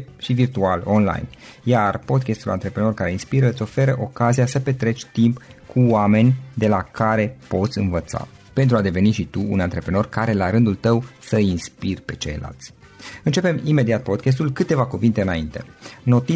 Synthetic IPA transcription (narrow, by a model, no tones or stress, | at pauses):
ʃivirt̪ualo̞nla̰jnjarpo̞d̪kʲest̪ula̰nt̪ɾe̞pɾeno̞rkaɾe̞inspiɾəɨt̪sʲo̞fe̞ɾəʔo̞kaziasəpe̞t̪ɾe̞t͡ʃʲt̪impkʰuwame̞nʲd̪e̞lakʰaɾe̞po̞t̪sʲɨnvət̪sa̰ | pe̞nt̪ɾuad̪e̞ve̞niʃit̪uṵnant̪ɾe̞pɾeno̞rkaɾe̞laɾɨnd̪ult̪əwsəinspirpe̞t͡ʃe̞̰jla̰lt̪sʲ | ɨnt͡ʃe̞pe̞mime̞d̪iat̪̚po̞d̪kʲes̬t̪ulkɨt̪e̞vakuvint̪e̞ɨnaint̪e̞̰no̞t̪i